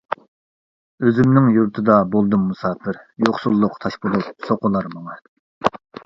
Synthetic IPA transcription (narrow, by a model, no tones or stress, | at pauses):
øzɪmnɪŋjuɾt̪ʰɨd̪ɑbolˠd̪ɨmːusɑːpɪɾjoχsulˠːʊqt̪ʰɑʃpolˠup̚soqʊlˠɑɾmɑŋɨ